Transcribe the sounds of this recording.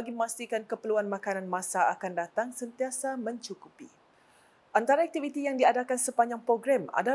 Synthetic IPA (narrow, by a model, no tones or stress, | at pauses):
aɡiəmãst̪ikankəpəluanmãkananmãsaakandat̪aŋsənt̪iasamə̃ɲt͡ʃukupi | ʔant̪aɾaak̚t̪ivit̪ijaŋdiadakansəpaɲd͡ʒaŋpɾoɡɾɛma̰da